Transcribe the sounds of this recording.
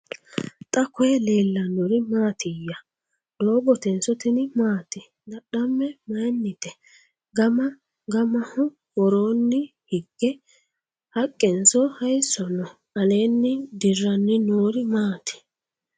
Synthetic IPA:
t̪ʼɐkɔjɛle̞ːlːɐnɔɾɪmaːt̪ɪjːɐ | loːbɔt̪ɛnsɔt̪ɪnɪmaːt̪ɪ | nɐɗɐmːɛmɐjnːɪt̪ɛ | ɡɐmɐ | ɡɐmɐhʊ | wɔɾoːnːɪ | hɪɡːɛ | hɐkʼːɛnsɔhɐjsɔnɔ | ɐleːnːɪd̪ɪrːɐnːɪnoːɾɪmaːt̪ɪ̥

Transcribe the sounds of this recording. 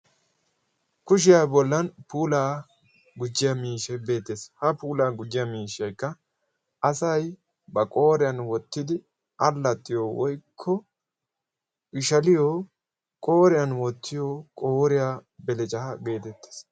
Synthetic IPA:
kʊʃ̬ɪjaːbɔlːɐnpuːlaː | ɡʊd͡ʒːɪjɐmiːʃɐjbe̞ːt̪ːeːshɐpuːlaːɡʊd͡ʒːɪjɐmiːʃɐjkːɐ | ʔɐsɐj | bɐkʼo̞ːɾɪjɐnwɔt̪ːɪd̪ɪ | ʔɐlːɐt̪ːɪjowɔjkʰːɔ | ʔɪʃɐlɪjoː | kʼo̞ːɾɪjɐnwɔt̪ʰːɪjoːkʼoːɾɪjaːbɛlɛt͡ʃʼɐɐɡe̞ːt̪ɛt̪ːe̥s

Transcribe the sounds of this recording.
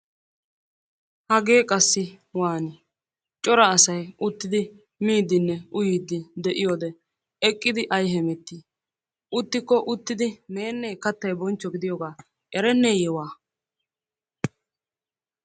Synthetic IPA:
hɐɡeːkʼɐsːɪ | waːnɪ | t͡ʃʼɔɾɐːsɐjʔʊt̪ːɪd̪ɪ | miːd̪ːɪnːɛʊjiːd̪ːɪd̪ɛʔɪjoːd̪ɛ | ɛkʼːɪd̪ɪʔɐjɦɛmɛt̪ːi | ʔʊt̪ːɪkːɔʔʊt̪ːɪd̪ɪne̞ːnːeːkɐt̪ːɐjbɔnt͡ʃːɔɡɪd̪ɪjoɡaː | ʔɛɾɛnːeːjɛwaː

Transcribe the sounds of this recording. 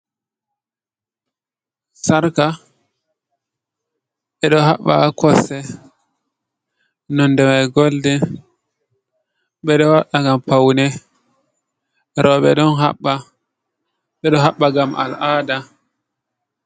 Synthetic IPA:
saɾka | ɓɛɗɔɦaɓːa̰kɔsɛ | nɔndɛmajɡoldɛ | ɓɛɗɔwaɗaŋɡampawnɛ | ɾʔɔɓɛ̰ɗɔnɦa̰ɓːa | ɓɛɗɔɦaɓːaɡamʔa̰lʔaːda

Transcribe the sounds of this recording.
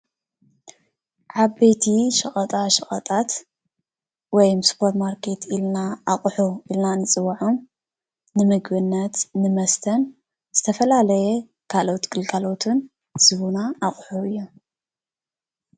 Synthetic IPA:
ʕaβbe̞t̪ʰiʃɐχʼɐt̪ʼaʃɐχʼɐt̪ʼat̪ | wɔjmspʰoɾt̪maɾkʰe̞t̪ʰilnaːχʼħuilnanɨt͡sʼɨwaʕom | nɨmɨɡbɨnːɐt̪nɨmɐst̪ʰɐn | z̥ɨt̪ʰɐfɐlalɐjɛ | kʰalo̞t̪ɡɨlɡʰalo̞t̪ʰun | z̥ɨβunaʔaχʼħuɨjːu

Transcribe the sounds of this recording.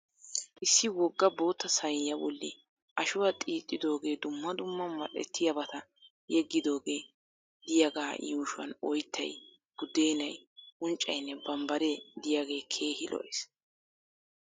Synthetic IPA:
ʔɪsːɪwɔɡːɐbo̞ːt̪ːɐsɐjjɐbɔlːɪ̰ | ʔɐʃʊwɐt̪ʼiːt̪ʼːɪd̪o̞ːɡe̞ːd̪ʊmːɐd̪ʊmːɐmɐʔɛ̰t̪ʰːɪjɐbɐt̪ɐ | jɛɡːɪd̪o̞ːɡe̞ː | d̪̥ɪjaɡaːjuːʃʊwɐ̰nɔ̰jt̪ːɐ̰j | ɡ̥ʊd̪e̞ːnɐjʊnt͡ʃʼːɐ̰jnːɛbɐmbɐɾed̪ɪjaɡe̞ːkʰe̞ːhɪlɔ̰ʔes

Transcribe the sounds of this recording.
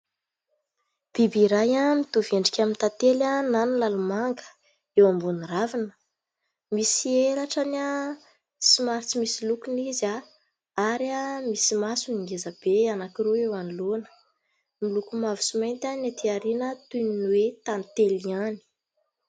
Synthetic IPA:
b̥ibiɾajamit̪uveɳɖ͡ʐikʲamint̪at̪elananilalumaŋɡə̥ | ewambuniravinə̥ | misielaʈ͡ʂana | simaɾit͡simisilukuniza | aɾamisimasuniŋɡezab̥eanakiɾuewanilonə̥ | milukumavu̥sumejnt̪anat̪iaɾinət̪uninwet̪ant̪eliani̥

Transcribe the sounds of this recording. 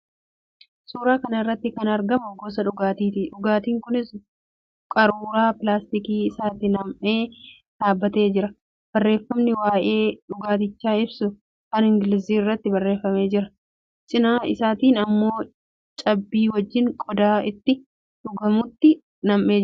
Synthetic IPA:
suːɾaːkɐnɐɪrːɐt̪ːɪkɐnɐɾɡɐmʊɡoːs̬ɐᶑʊɡaːt̪iːt̪iᶑʊɡaːt̪iːŋkʊnɪs | kʼɐɾuːɾaːpɪlaːst̪ɪkiːɪsaːt̪ɪnɐmʔe̞ː | ᶑ̪̥aːbːɐt̪e̞ːd͡ʒɪɾɐ | b̥ɐrːe̞ːfːɐmnɪwaːʔe̞ːᶑʊɡaːt̪̬ɪt͡ʃːaːɪbsʊ | kɐnɪŋɡɪlɪziːɪrːɐt̪ːɪbɐrːeːfːɐme̞ːd͡ʒɪɾɐ | sʼɪnaːɪsaːt̪iːnɐmːo̞ː | t͡ʃʼɐbːiːwɐd͡ʒːɪŋkʼɔd̪aːɪt̪ːɪ | ᶑʊɡɐmʊt̪ːɪ | nɐmʔe̞ː

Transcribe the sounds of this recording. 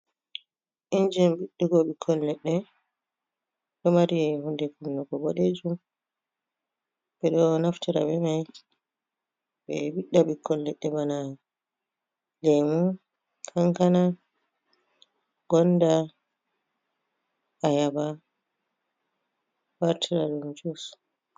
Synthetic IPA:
ʔind͡ʒɛmbiɗːiɡɔɓikʰɔlːɛɗːɛ | ɗɔmaɾiɛhundɛkunːɔkɔboɗed͡ʒum | bɛɗɔnaftiɾa̰ɓɛmaj | ɓɛbiɗːaɓikʰːɔlːɛɗːɛbana | lemun | kʰaŋkana | ɡ̥ɔnda | ʔajaba | waɾtʰiɾaɗumd͡ʒus

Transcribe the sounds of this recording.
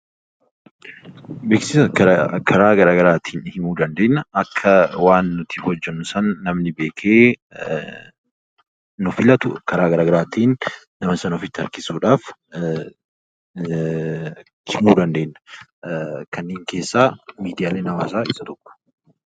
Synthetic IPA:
beːksɪsɐkɐkʰɐɾaːɡɐɾaːɡɐɾaːt̪ʰiːnhɪmuːd̪ɐnd̪e̞ːnːɐɐkʰːɐwaːnːʊt̪ɪhɔd͡ʒːɛnːʊsɐnːɐmnɪbe̞ːkʰeː | nɔfɪlɐt̪ʊkɐɾaːɡɐɾaːɡɐɾaːt̪iːnː | ɐmɐsɐnɔfɪt̪ːɪɐɾkɪsuːᶑaːf | hɪmuːd̪ɐnd̪e̞ːnːɐ̥ | kɐnːeːŋke̞ːsːaːmiːd̪ɪjaːleːnɐwaːsaːɪsɐt̪ɔkʼːʊ̥

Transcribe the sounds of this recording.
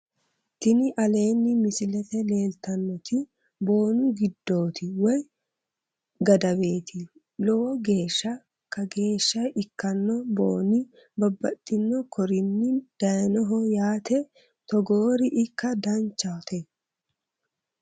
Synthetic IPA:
t̪ɪnɪʔɐle̞ːnːɪmɪsɪlɛt̪ɛle̞ːlt̪ɐnːɔt̪ɪ | bo̞ːnʊɡɪd̪ːo̞ːt̪ɪwɔj | ɡɐd̪ɐbe̞ːt̪ʰɪ | lɔwɔɡe̞ːʃːɐ | kɐɡe̞ːʃːɐɪkːɐnːɔbo̰ːnɪ | bɐbːɐt̪ʼːɪnːɔkʰɔɾɪnːɪd̪̥ɐjnɔɦɔjaːt̪ɛ | t̪ɔɡoːɾɪʔɪkːɐd̪ɐnt͡ʃːɐt̪ɛ

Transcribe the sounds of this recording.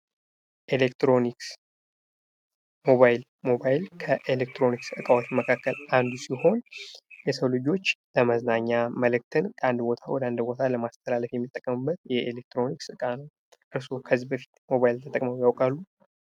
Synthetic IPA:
ʔelekt̪ɾo̞niks | mo̞βajɪl | mo̞bajɪlkʰəʔe̞lek̚t̪ɾo̞niksɨkʼawot͡ʃməkʰakʰːəlʔand̪usiho̞njɛsəwlɨd͡ʒo̞t͡ʃːləməznaɲːaməlɨk̚t̪ʰɨnkʼəand̪bo̞t̪ʰawɔd̪and̪bo̞t̪ʰaləmast̪ʰəlaləfjɛmːit̪ʼːəkʼːəmɨbːət̪jɛʔelek̚t̪ɾo̞niksɨkʼanəw | ʔɨɾso̞kʰəzːibəfi̥t̪mo̞βajilt̪ʰət̪ʼə̰kʼməwjawkʼalːu

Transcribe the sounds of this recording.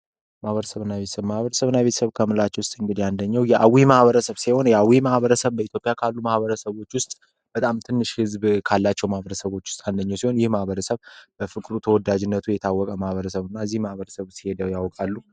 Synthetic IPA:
mahβəɾəsəβɨnːaβet̪ə̥səβmahβəɾəsəβɨnːaβe̞t̪ʰəsəβkʰəmɨlat͡ʃːɛwʊst̪ʼɨŋɡɨd̪iand̪əɲːɛwjɛʔawimahβəɾəsəβsiho̞njɛawimahβəɾəsəβbəit̪jo̞pʼjakʰalːumahβəɾəsəβo̞t͡ʃːwʊst̪ʼ | b̥ət̪ʼamt̪ʰɨnːɨʃhɨzbkʰalːat͡ʃːɛwmahbəɾəsəβo̞t͡ʃːwʊst̪ʼand̪əɲːawsiho̞njɪhmahβəɾəsəβb̥əfɨkʼɨɾut̪ʰəwɔd̪ad͡ʒɪnːət̪ʰujɛt̪ʰawːɔkʼəmahβəɾəsəβɨnːaɨzːihmahβəɾəsəβsihe̞d̪əjawkʼalːu

